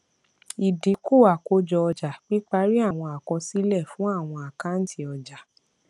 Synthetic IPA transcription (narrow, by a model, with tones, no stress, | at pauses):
i˨dĩ˨˦ko˦˨wa˨ko˧˦d͡ʒɔ˧ɔ˧d͡ʒa˨k͡pi˦k͡pa˦ɾi˦a˦˨w̃ɔ̃˧a˨kɔ̃˧si˦lɛ˦˨fũ˦a˦˨w̃ɔ̃˧a˨ka˨˦n̩˦tʰi˧ɔ˧d͡ʒa˨